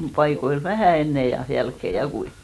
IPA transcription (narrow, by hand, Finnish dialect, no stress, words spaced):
pɑikoil ʋæhæˑ enːe jɑ jælkːe jɑ kui